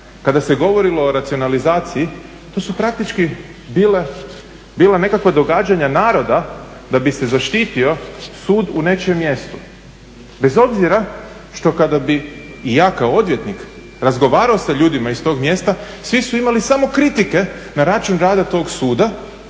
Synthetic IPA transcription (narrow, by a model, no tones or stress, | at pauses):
kad̪ase̞ɡo̞ʋo̞ɾilo̞ːɾat̪sio̞nalizaːt̪sii | t̪oːsupɾak̚t̪it͡ʃki | biːle | biːlˠane̞kakʋad̪o̞ɡaːd͡ʑaɲanaːɾo̞d̪a | d̪abise̞zaʃt̪iːt̪io̞suːd̪une̞t͡ʃemːje̞st̪u | be̞zo̞bziɾa | ʃt̪o̞kad̪abiː | jaːkaoo̞d̪ʋje̞t̪nik | ɾazɡo̞ʋaːɾaosaʎuːd̪imaist̪o̞ːɡmje̞st̪a | sʋisuimalisamo̞kɾit̪ike̞naɾat͡ʃunɾaːd̪at̪o̞ːɡsuːd̪a